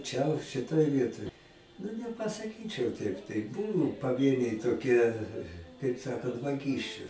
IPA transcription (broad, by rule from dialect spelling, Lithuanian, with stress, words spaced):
t͡ʃʲɛ ʃʲɪˈtoːj ˈʋʲiɛtoːj nʊ nʲɛpɐsɐˈkʲiːt͡ʃʲɛʊ ˈtʲɛɪp tɐɪ ˈbʊʋʊ pɐˈʋʲiɛnʲɛɪ toːˈkʲiɛ kɐɪp ˈsɑːkɐnt ʋɐˈɡʲiːsʲt͡ʃʲʊ